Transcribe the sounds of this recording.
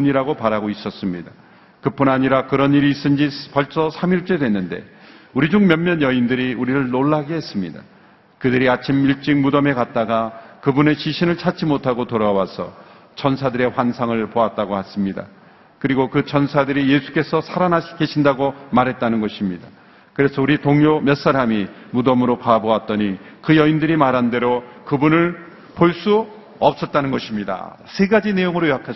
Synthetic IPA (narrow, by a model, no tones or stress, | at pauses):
uɲiɾaɡopaɾaɡois͈ʌs͈ɯmɲida | kɯp͈unaɲiɾakɯɾʌniɾiːs͈ɯnd͡ʑipʌɭs͈ʌsʰamiɭt͡ɕ͈e̞dwe̞nːɯnde̞̰uɾid͡ʑuŋmjʌnmjʌnjʌindɯɾiuɾiɾɯɭnoɭːaɡiɦe̞s͈ɯmɲida | kɯdɯɾiat͡ɕʰimiɭt͡ɕ͈iŋmudʌme̞kat̚t͈aɡakɯbune̞ɕʰiɕʰinɯɭt͡ɕʰat͡ɕ͈imotʰaɡotoɾawasʰʌ̰ | t͡ɕʰʌnsʰadɯɾe̞ɸwansʰaŋɯɭpoat̚t͈aɡohas͈ɯmɲida̰ | kɯɾiɡokɯt͡ɕʌnsʰadɯɾije̞sʰu̥k͈e̞sʰʌsʰaɾanake̞ɕʰindaɡomaɾɦe̞t̚t͈anɯnɡʌɕʰimɲida | kɯɾe̞sʰʌuɾitoŋjomjʌs͈aɾami | mudʌmɯɾokaboat̚t͈ʌɲikɯjʌindɯɾimaɾɦande̞ɾokɯbunɯɭ | poɭs͈u | ʌp̚s͈ʌt̚t͈anɯnɡʌɕʰimɲida̰ | sʰe̞ɡad͡ʑine̞joŋɯɾojjakʰa